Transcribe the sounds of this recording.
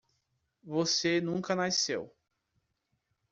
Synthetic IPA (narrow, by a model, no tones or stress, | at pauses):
vosenũkɐnasḛw